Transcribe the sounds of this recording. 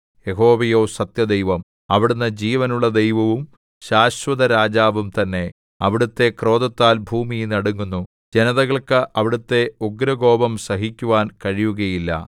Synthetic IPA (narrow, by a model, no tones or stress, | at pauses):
jeɦo̞ːʋɐjo̞ːsɐt̪jɐd̪ejʋɐm | ɐʋiɽunːɐd͡ʑiːʋɐnuɭːɐd̪ejʋɐʋum | ɕaːɕʋɐðɐɾaːd͡ʑaːʋumt̪ɐnːe̞ | ɐ̰ʋiɽut̪ːe̞kro̞ːðɐt̪ːaːlbʱuːmijnɐɽuŋːunːu | d͡ʑenɐðɐɣɐɭkɨʔɐʋiɽut̪ːe̞uɡɾɐɡo̞ːbɐmsɐɦikʲːuʋaːnkɐɻijuɣɐjilːɐ̰